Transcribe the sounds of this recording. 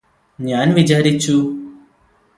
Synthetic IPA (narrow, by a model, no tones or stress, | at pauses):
njaːnʋit͡ʃaːɾit͡ʃːu